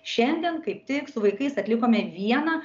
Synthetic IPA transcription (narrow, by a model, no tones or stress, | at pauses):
ʃʲɛnʲd̪ʲɛnkɐɪp̚t̪ʲɪksʊʋɐɪkɐɪsɐt̪ʲlʲɪkoːmʲɛʋʲiɛnɐ